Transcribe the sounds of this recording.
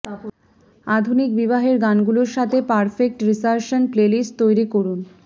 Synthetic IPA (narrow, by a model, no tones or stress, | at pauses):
ad̪ʱunik̚biβaɦeɾɡanɡuloɾʃat̪ʰepaɾfek̚ʈɾisaɾʃonplelist̪ojɾikoɾun